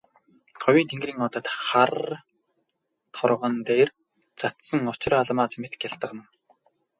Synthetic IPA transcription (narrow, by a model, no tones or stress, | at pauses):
χɔwʲiːnt̪ʰeŋɡriːŋɔt̪ə̆t̪χar | t̪ʰɔrʁə̆nt̪eːr | t͡sʰat̪sə̆ŋʊt͡ɕɪ̆raɮmaːt͡smet̪̆kjaɬt̪ə̆qnə̆w